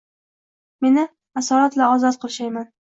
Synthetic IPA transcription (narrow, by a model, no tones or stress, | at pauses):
me̞nɪ | asɒɾat̪laɒzɒt̪̚qʰɨlˠʃajman